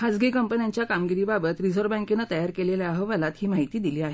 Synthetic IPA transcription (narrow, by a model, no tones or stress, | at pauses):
had͡zɡikəmpənijaɲt͡ɕjakamɡiɾiːbabət̪ɾid͡zəɾbɛ̃ŋkenat̪əjaɾkeleljaɦəʋəlat̪hiːmaɦit̪iːd̪iliːaɦe